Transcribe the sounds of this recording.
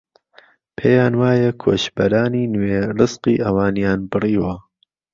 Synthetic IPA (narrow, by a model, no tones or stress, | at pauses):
pʰeːjaːnwaːjɐkʰo̰ːʃbɐɾaːniːnwerɨzqiːʔɐwaːnjaːnbɨriːwɐ